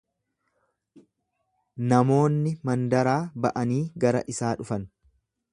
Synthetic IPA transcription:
nɐmo̞ːnːɪmɐnd̪ɐɾaːbɐʔɐniːɡɐɾɐ̰ʔɪsaːᶑʊfɐn

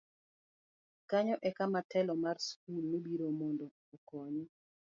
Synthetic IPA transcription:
kaɲɔʔɛkamatɛlɔmarsk̚ulmebiɾomondɔːkɔɲɔ

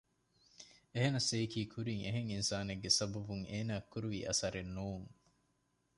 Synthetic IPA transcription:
eɦenɐseikiːkʰuɾiŋeɦeŋinsaːneɡːesɐbɐbuŋeːnaːkːuɾuʋḭːʔɐ̰sɐɾenːuːŋ

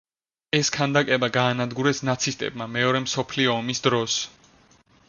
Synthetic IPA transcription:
ɛskʰand̪akʼɛbaɡaːnad̪ɡuɾɛsnat̪sʰist̪ʼɛ̰b̚mamɛɔɾɛmsɔpʰliɔːmisd̪ɾɔs

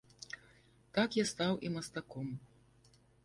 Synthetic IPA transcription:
t̪akjast̪awʔimɐst̪akɔm

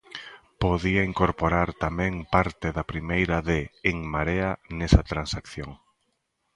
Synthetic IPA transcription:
poðiaiŋkoɾpoɾaɾt̪amɛ̃ŋpaɾt̪eðapɾimejɾaðeːŋmaɾeanesɐt̪ɾansakθjoŋ

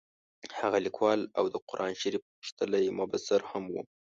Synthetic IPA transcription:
haɣalikwɑla̰wd̪əqʊɾʔɑnʃiɾip | ʂt̪əlajmabasaɾhamwṵ

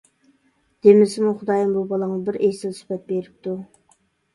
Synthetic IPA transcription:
d̪̥emɪsɪmuχʊd̪ɑjɑnbubɑlˠɑŋlˠbɪɾʔesɪlsy̥pɛt̪̚beɾɪp̚t̪ʰu

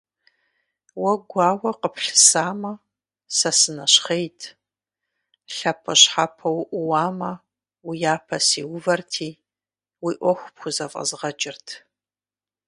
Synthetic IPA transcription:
wɐɡʷɑːwɐqəpʰɬɨ̥saːmɐ | sɐsɨnɐɕχejtʰ | ɬɐpʰɐɕħapʰɐwʔʷʊwaːmɐ | wijaːpʰɐsḭːwʊvɐrtʰiː | wiːʔʷɔxʷpxʷʊzɐfʼɐ̰zʁɐt͡ʃʼɪrtʰ

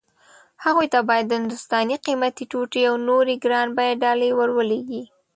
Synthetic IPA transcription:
haɣujt̪abɑjad̪ːəhɪnd̪ʊst̪ɑniqimat̪iʈuʈeawnoɾiɡɾɑnbɑjaɖɑlewəɾwəleɡi

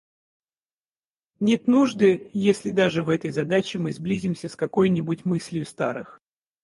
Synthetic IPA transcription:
nʲet̪nuʐd̪ɨjesʲlʲɪd̪aʐɨvɛt̪əjzɐd̪at͡ɕɪmɨzblʲizʲɪmsʲəskɐko̞jnʲɪbʊtʲmɨsʲlʲjʊst̪a̰ɾɨx

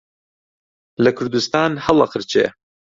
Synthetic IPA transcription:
lɐkʰʊɾd̪ust̪ɑːnhɐlˠɑqʰəɾt͡ʃʰḛː

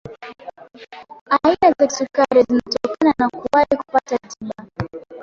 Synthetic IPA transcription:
ainazḁsukaɾizinatɔkananakuwahiku̥patatila

